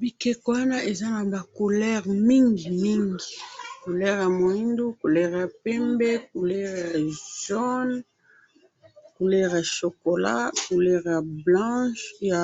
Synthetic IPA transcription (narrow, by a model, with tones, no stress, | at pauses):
bi˨kɛ˨ko˨wa˦na˦ʔe˨za˦na˨ba˨ko˨lɛ˦ʁmi˦ŋɡi˨mi˦ŋɡi˨ku˨lɛ˦ʁja˨mo˨i˦ndu˦ku˨lɛ˦ʁja˨pɛ˦mbɛ˦k̚u˨lɛ˦ʁja˨z̥ɔ˦n | ku˨lɛ˦ʁja˨ʃo˨ko˨la̰˦ku˨lɛ˦ʁja˨blɑ̃˦ʃja˨